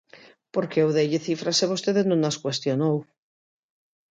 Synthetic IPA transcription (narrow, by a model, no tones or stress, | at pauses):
poɾkewðeʎeθifɾaseβost̪eðenõnaskwest̪jonow